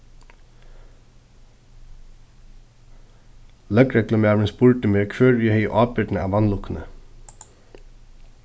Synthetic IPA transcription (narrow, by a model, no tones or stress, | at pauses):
lœkɾɛkləmeːʋənsbʊɹʈ̪əmeːkʰʋøːɹiːhœʏ̰ʔɑːpɪɖn̩æ̰ːʋɑnlʊknə̰